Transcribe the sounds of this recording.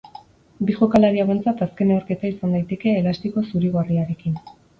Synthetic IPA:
biʝokalaɾiaβe̞nt͡sat̪aske̞ne̞o̞ɾke̞t̪aisand̪ajt̪e̞ke̞ːlast̪iko̞suɾiɣariaɾe̞kin

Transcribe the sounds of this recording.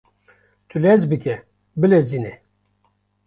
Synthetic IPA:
t̪ʰulɛzbɨkʲɛ | bɨlezinɛ

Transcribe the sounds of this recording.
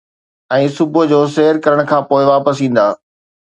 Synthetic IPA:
ɛ̃ːsʊbʊd͡ʑoːseːəɾkɐɾəɽ̃kʰãːpoːɪʋaːpəs̬ĩːn̆d̪aː

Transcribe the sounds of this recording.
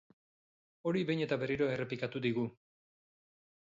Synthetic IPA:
o̞ɾiβejɲe̞t̪aβe̞riɾo̞e̞re̞pikat̪uðiɣu

